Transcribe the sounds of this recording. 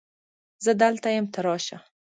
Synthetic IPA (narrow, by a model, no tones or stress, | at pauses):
zəd̪alt̪ajəmt̪ʰaɾɑʃa̰